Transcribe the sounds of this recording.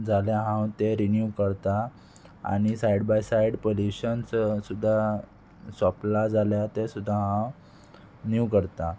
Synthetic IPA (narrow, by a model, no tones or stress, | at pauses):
d͡zaljaɦãwt̪eɾinjuʋkəɽt̪a | a̰ɽ̃isajɽbajsaiɽpoljuɕənssud̪ʱːa | saplad͡zaljat̪esud̪ʱːaɦãw | njukəɾt̪a